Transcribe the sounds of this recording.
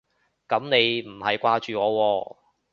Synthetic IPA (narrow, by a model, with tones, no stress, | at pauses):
kɐ˨˧˥mne˨˧jm̩˨˩hɐ˨jkʷaː˧t͡ʃyː˨ŋɔː˨˧wɔː˧